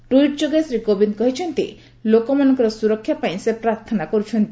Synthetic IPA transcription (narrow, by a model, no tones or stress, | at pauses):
ʈuiʈd͡ʒoɡasɾikobinkɔɦit͡ʃʰɔnt̪ḭ | lokɔmanɔ̃ŋkɔɾɔsuɾɔkʰːjapaj̃sepɾaɾt̪ʰɔnakɔɾut͡ʃʰɔnt̪i